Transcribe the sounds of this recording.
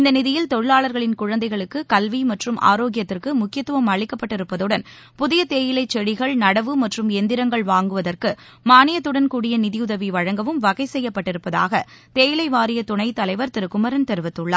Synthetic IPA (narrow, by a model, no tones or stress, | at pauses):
ɪnd̪ɐnɪðɪjɪlt̪ɔɻɪɭaːɭɐɾɣɐɭɪnkʊɻɐnd̪ɐɪɣɐɭɯkːɯkɐlʋimɐʈrɯmʔa̰ːɾoːɡɪjɐt̪ːɪrkɯmʊkːɪjɐt̪ːɯʋɐmɐɻɪkːɐpːɐʈːɪɾɯpːɐðɯɽɐn | pʊðɪjɐt̪eːjɪlɐɪt͡ʃːɛɽɪɣɐɭnɐɽɐʋɯmɐʈrɯmɛnd̪ɪɾɐŋɡɐɭʋaːŋɡɯʋɐðɐrkɯ | maːnɪjɐt̪ːɯɽɐnkuːɽɪjɐnɪðɪjʊðɐʋiʋɐɻɐŋɡɐʋɯmʋɐɣɐɪsɛjːɐpːɐʈːɪɾɯpːɐða̰ːɣɐ | t̪eːjɪlɐɪʋaːɾɪjɐt̪ʊɳɐɪt̪ɐlɐɪʋɐɾt̪ɪɾɯkːʊmɐɾɐnt̪ɛɾɯʋɐt̪ːɯɭːɐ̰